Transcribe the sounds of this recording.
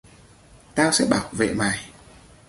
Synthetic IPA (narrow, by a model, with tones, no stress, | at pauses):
t̪aː˧wsɛ̰˧˥ɓaː˧˩wvḛ˧˨maː˨˩j